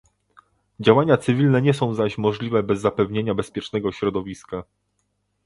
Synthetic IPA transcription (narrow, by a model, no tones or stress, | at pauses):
d͡ʑawaɲat̪sɘvʲilnɛɲɛs̬ɔ̃w̃zaɕmɔʐlʲivɛbɛzːapɛvɲeɲabɛspʲjɛt͡ʂnɛɡɔɕɾɔd̪ɔvʲiska